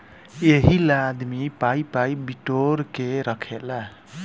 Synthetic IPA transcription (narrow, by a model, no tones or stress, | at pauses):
jeɦilad̪mipajpajbiʈorkeɾʌkʰela